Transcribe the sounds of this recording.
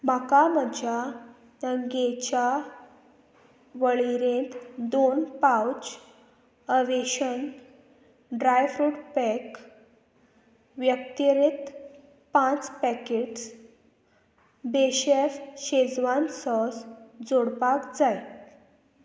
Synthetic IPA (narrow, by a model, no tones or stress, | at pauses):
makaməd͡ʑʱja | nəŋɡet͡ɕa | ʋəɭiɾẽnt̪d̪onpawt͡ɕ | əʋeɕən | ɖɾajfɾuʈpɛk | ʋjək̚t̪iɾit̪ | pãt͡spɛkeʈs | beɕefɕed͡zʋansɔsd͡zoɽpakd͡zaj